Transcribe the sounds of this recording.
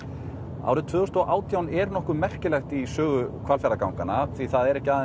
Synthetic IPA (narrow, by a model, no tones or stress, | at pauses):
a̰wɾʏt̪ʰvʏːɣɔst̪ɔʔaːwt̪ʰjawnɛɾnɔhkʏmɛr̥cɪlɛxt̪isœːɣʏkʰvalfɛɾakawŋkanaθviθaðɛɾɛhcɪaːð